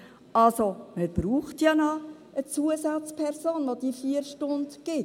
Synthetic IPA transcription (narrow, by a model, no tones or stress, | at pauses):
ɑlsoməɾb̥ɾuːχtjɑnɔ | ət͡suəzat͡spʰɛɾsoːnʋod̥ifiːəɾʃtʊndɡ̥ɪt